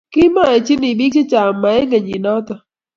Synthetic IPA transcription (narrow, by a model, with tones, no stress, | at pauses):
ki˦ma˦e˨t͡ʃi˦ni˨bi˦t͡ʃi˦t͡ʃa˨mːa˨e˦ŋe˨ɲi˨nɔ˦t̪ɔ˨